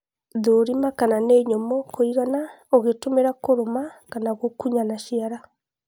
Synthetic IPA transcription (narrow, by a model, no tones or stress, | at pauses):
ðoɾimakananeɲomɔkʰoiɣanaoɣetomeɾakoɾomakanaɣokuɲanaʃiaɾa